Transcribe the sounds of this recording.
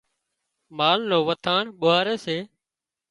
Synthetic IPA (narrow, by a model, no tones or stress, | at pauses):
maːlnoːʋət̪ʰaːɳɓʊɦaːɾeːseː